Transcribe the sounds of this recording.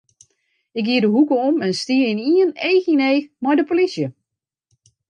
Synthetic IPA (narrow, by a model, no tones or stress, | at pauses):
ɪk̚ɡiədəɦukəɔmɛnstiəɪniənejxineːmɔjdəpolisjə